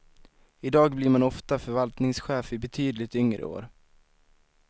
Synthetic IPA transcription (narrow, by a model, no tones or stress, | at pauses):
ɪd̪ɑːɡblɪɾmanɔft̪afœɾvalt̪nɪŋsɧɛːfɪbɛt̪ʰyːd̪lɪt̪ʏŋɾə̰o̰ːɾ